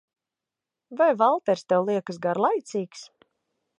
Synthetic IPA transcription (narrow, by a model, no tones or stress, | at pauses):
vajvalˠt̪ɛɾst̪ɛwlˠiɛkəs̬ɡaɾlˠajt̪siːks